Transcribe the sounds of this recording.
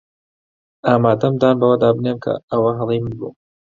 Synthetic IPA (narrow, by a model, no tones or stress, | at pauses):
aːmaːd̪ɐmd̪aːnbɐwɐd̪aːbɨneːmkʰɐ̰əwɐɦɐlˠijmɨnbṵː